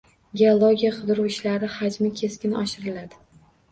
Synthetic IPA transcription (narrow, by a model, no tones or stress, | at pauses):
ɡʲeolˠoɡʲijaqʰʊd̪ɾuwɪʃlaɾɪhad͡ʒmɪkʲʰe̞skʲɪnɒ̰ʃɪɾɪlad̪ɪ